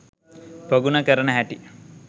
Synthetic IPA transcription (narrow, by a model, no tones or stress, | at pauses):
poɡunakəɾənəɦæʈi